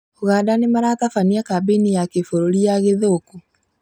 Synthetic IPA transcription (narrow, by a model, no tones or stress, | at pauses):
oɣaːdanemaɾaːtafaniakabinijakefoɾoɾiaɣeðoːku